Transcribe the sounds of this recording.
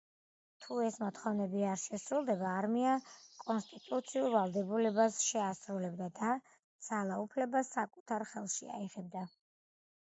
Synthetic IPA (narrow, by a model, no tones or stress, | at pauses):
t̪ʰuɛsmɔt̪ʰχɔvnɛbiaɾʃɛsɾulˠd̪ɛbaːɾmiakʼɔnst̪ʼit̪ʼut̪sʰiuɾvalˠd̪ɛbulɛbasʃɛasɾulɛbd̪ad̪a | d̪z̥alˠaupʰlɛbasːakʼut̪ʰaɾχɛlˠʃḭa̰iʁɛb̚d̪a